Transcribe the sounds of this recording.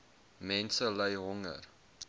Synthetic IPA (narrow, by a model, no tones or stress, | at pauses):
mɛnsələjɦɔŋə̰r